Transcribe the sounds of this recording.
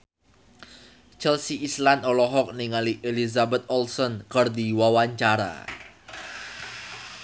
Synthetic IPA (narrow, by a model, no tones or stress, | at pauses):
t͡ʃɛlsiʔislanɔlɔɦɔk̚niŋaliʔelizabɛt̪̚ɔlsɔnkərd̪iwawaɲt͡ʃaɾa̰